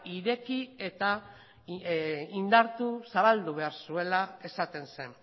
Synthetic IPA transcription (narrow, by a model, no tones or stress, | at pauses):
iɾe̞kie̞t̪a | ind̪aɾt̪usaβald̪uβe̞aɾsue̞lae̞sat̪e̞nse̞n